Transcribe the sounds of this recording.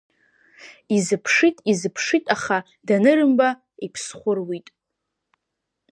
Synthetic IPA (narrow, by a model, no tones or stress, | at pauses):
izɨpʰʂitʼizɨpʰʂitʼaχa | danɨɾɨmba | ipʰsχʷʊrwitʼ